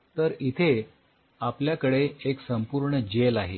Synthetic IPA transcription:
t̪əɾit̪ʰe | apljakəɽeːksəmpuɾɳəd͡ʑelaɦḛ

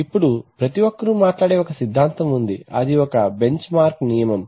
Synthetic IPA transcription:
ipːuɽupɾɐt̪iʋokːɐɾumaːʈlaːɽeːɔkɐsid̪ʱːaːnt̪ɐmund̪iɐd̪iɔkɐbe̞ɲt͡ʃmaːɾknijɐmɐm

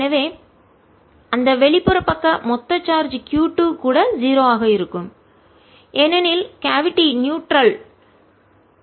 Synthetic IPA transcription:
nɐʋeː | ɐnd̪ɐʋɛɭɪpːɯɾɐpːɐkːɐmɔt̪ːɐt͡ʃːaːɾd͡ʒkjuːʈːuːkuːɽɐziːɾoːaːɣɐɪɾɯkːɯm | ʔɛnɛnɪlkaːʋɪʈːinjuːʈɾɐl

